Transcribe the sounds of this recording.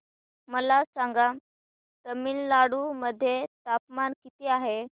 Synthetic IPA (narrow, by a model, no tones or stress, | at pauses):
məlasaŋɡa | t̪əmiːllaɽuməd̪ʱːjet̪apmankit̪iːaɦe